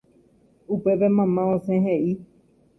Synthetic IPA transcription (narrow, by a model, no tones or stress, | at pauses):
upepemãmãõsẽɦeʔi